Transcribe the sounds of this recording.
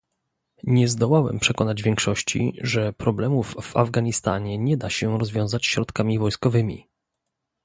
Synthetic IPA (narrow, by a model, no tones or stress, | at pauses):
ɲɛzd̪ɔwawɛ̰mpʂɛkɔnad͡ʑvʲjɛŋkʂɔɕt͡ɕḭʐɛpɾɔblɛmuvːa̰vɡaɲist̪a̰ɲɛɲɛd̪aɕɛɾɔzvʲjɔ̃w̃zat͡ɕɕɾɔt̪kamʲivɔjskɔvɘmʲḭ